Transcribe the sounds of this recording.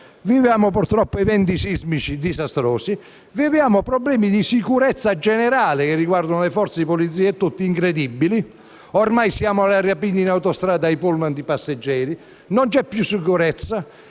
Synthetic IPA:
vivjaːmʊpuɾt̪ɾɔpːoɛvɛnt̪isizmit͡ʃid̪izast̪ɾɔːsi | vivjaːmʊpɾɔblɛːmid̪isikuɾɛt̪sːad͡ʒɛnɛɾaːlɪkɪrːiɡward̪ʊnlɛfɔɾt̪seipɔlit̪s̬ːiːɛɛt̪ːut̪ːiːŋkɾed̪ibːili | ɔɾmajsjaːmʊalarjapinːinawt̪ɔst̪ɾaːd̪aipulmand̪ipasːed͡ʒːɛːɾi | nɔnt͡ʃɛpːjusːikuɾɛt̪sːa

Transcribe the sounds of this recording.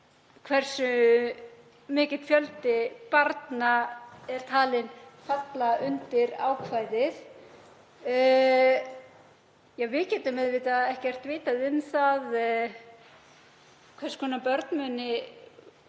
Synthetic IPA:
kʰvɛr̥sʏ | mɪːcɪt̪fjœlt̪ɪpaɾt̪naɛɾ̥t̪ʰaːlɪnfat̪laʔʏnt̪ɪɾa̰ːwkʰvaːjðɪθ | jɛɣvɪlcɛːt̪ʏmɛðvɪːt̪aðɛhcɛr̥t̪vɪːt̪aðɪnːθað | kʰvɛrskʰɔːnapœɾt̪nmœnɪ

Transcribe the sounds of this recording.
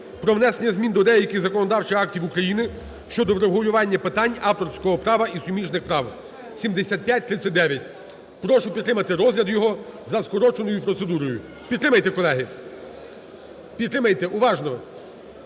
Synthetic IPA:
pɾɔʋnɛsenʲːɐzmʲind̪ɔd̪ɛjɐkɪzɐkɔnɔd̪ɑwt͡ʃɪxɑktʲiwukɾɐjinɪ | ʃt͡ʃɔd̪ɔʋɾeɦʊlʲʊʋɑnʲːɐpɪt̪ɑnʲɑwt̪ɔrsʲkɔɦɔpɾɑʋɐʔisʊmʲiʃnɪxpɾɑw | sʲimd̪esʲat̪̚ʲpʲjat̚ʲt̪ɾɪt̪t͡sʲːɐtʲd̪ɛʋʲjɐt̚ʲ | pɾɔʃʊpʲid̪ɾɪmɐt̪ɪɾɔzʲlʲɐd̪jɔɦɔzɐskɔɾɔt͡ʃenɔjʊpɾɔt̪sed̪uɾɔjʊ | pʲid̪t̪ːɾɪmɐjt̪ekɔlˠɛɦɪ | pʲid̪ɾɪmɐjt̪eʔuʋɑʒnɔ

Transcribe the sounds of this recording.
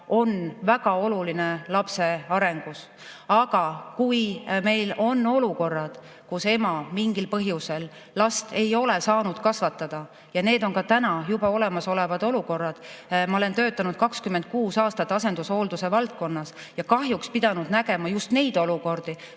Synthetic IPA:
o̞nvæɡ̥ɑo̞luline̞lɑpse̞ɑɾe̞ŋɡ̥us | ɑɡ̥ɑkujme̞jlo̞nːo̞luko̞rːɑd̪̥ | kuse̞mɑmiŋɡilpɤɦjuse̞lː | ɑst̪e̞jo̞le̞sɑːnud̪̥kɑsvɑt̪ːˑɑd̪̥ɑ | jɑne̞ːd̪o̞ŋkɑt̪ænɑjubɑo̞le̞mɑso̞le̞vɑd̪o̞luko̞rːɑd̪̥mɑo̞lent̪ø̞ːt̪ːˑɑnud̪̥kɑkskymːe̞nd̪̚kuːsɑːst̪ɑt̪ːɑse̞nd̪̥uso̞ːld̪use̞vɑlt̪̚ko̞nːɑs | jɑkɑɦjukspid̪̥ɑnud̪næɡ̥e̞mɑjust̪ne̞jd̪̥oluko̞rd̪̥i

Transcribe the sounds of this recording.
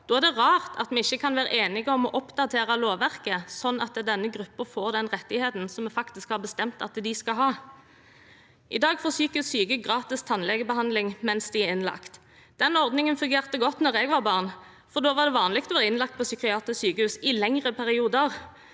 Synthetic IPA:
d̪oːæʁd̪ɛʁɑːʁt̪ʰɑ̰t̪mɛɪçːəkʰɑnʋæːɾəʔeːnɪɡəɔmɔʔɔpd̪ɑt̪ʰeːʁɑloːʋæʁkəsɔnːɑt̪d̪ɛnːəɡʁʉpːəfoːʁd̪ɛnʁɛt̪ːɪheːt̪n̩sɔmɛfɑkt̪ɪskhɑʁbəst̪ɛmt̪ɑt̪d̪ɪskɑɦɑː | ʔɪd̪ɑːɡfɔːsyːkəhʉsyːkəɡʁɑːt̪ɪst̪ʰɑnlɛɡəbəhɑnd̪lɪŋmɛnsd̪ɪɛɪnlɑ̰kt̪ | d̪̥ɛnɔʁd̪nɪŋənfʉŋɡeːʁt̪əɡɔt̪nɔʁɛɡʋɑʁbɑːʁn | fɔʁd̪oːʋɑʁd̪ɛʋɑːnlɪkt̪ɔʋɑʁɪnlɑk̚t̪̚pʰɔsʏkɪɑːt̪əsyːkəhʉːsɪlɛŋʁəpʰæʁɪuːd̪əʁ

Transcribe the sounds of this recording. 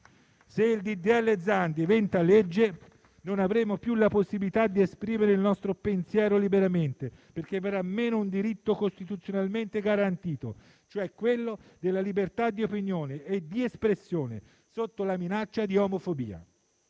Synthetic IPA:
seild̪id̪iɛlːed̪zand̪ivɛnt̪aled͡ʒːe | nonavɾeːmopjulaposːibilit̪ad̪ːiespɾiːmeɾeilnɔst̪ɾopensjɛːɾolibeɾament̪eperk̟eveɾamːeːnound̪iɾit̪ːokost̪it̪ut̪sjonalment̪eɡaɾant̪iːt̪o | t͡ʃoɛkːwelːod̪elːalibert̪ad̪ːiopinjoːneːd̪iespɾesːjoːnḛ | sot̪ːolaminat͡ʃːad̪iomofobḭːa̰

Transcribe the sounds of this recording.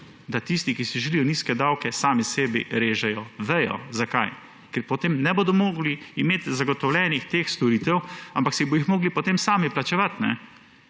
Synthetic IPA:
d̪at̪ist̪ikisiʒɛlijɔniːskɛd̪awkɛsaːmisɛːbḭɾeːʒɛjɔʋɛjɔ̰zakaj | kɛɾpɔt̪eːmnɛboːd̪ɔmoːɡliːmeːt̪zaɡɔt̪ɔwlʲɛnixt̪eːxst̪ɔɾiːt̪ɛwampaksibɔjixmoːɡlipɔt̪eːmsaːmiplat͡ʃɛʋat̪nɛ̰

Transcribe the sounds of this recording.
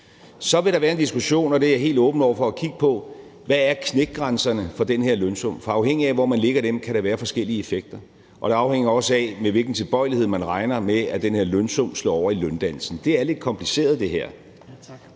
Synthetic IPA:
sɒ̽ʋe̝ɾɑ̈ʋæːɐe̝nd̥isɡ̥uɕo̝̰ːnɒ̽d̥e̝æɐɦe̝̰ːld̥ɔ̽ːb̥n̩ɒ̰ɐfɒ̽ækʰiɡ̥əpʰɒ̽ | ʋææɐkʰneɡ̥̚ɡ̥ʁɑnsɐnəfɒ̽d̥enheɐ̰lønsɔ̽m̰fɒɑ̈ʊɦeŋ̰iæʋɒmænle̝ɡ̥ɐɾ̥emkʰæɾ̥ɑʋæːɐfɒ̽sɡ̥el̰iəe̝feɡ̥̚d̥ɐ | ʔɒ̽ɾ̥eɑ̈ʊheŋ̰ɐɒ̽səɛmeʋe̝lɡ̥n̩t͡sʰe̝lb̥ɒ̽ɪ̰lihe̝ð̞̰ˠmænʁɑ̈ɪnɐmeæd̥enhe̝ɐlønsɔmslɔ̰ːɒʊ̰ɐilønd̥æn̰l̩sn̩d̥e̝æɐle̝d̥kʰɒ̽mpʰlise̝̰ːɐð̞ˠd̥e̝ɦæɐ̰

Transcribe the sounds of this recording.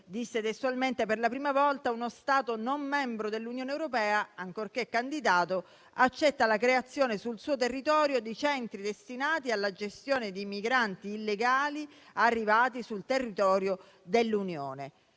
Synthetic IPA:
d̪isːet̪est̪ualment̪eperlapɾiːmavɔlt̪aunost̪aːt̪onomːɛmbɾod̪elːunjoːneɛwɾopɛːaaŋkorkekːand̪id̪aːt̪o | at͡ʃːɛt̪ːalakɾeat̪sːjoːnesulsuːot̪erːit̪ɔːɾjod̪it͡ʃɛnt̪ɾid̪est̪inaːt̪ialːad͡ʒest̪joːned̪imiɡɾant̪iːlːeɡaːli | arːivaːt̪isult̪erːit̪ɔːɾjo | d̪elːunjo̰ːne

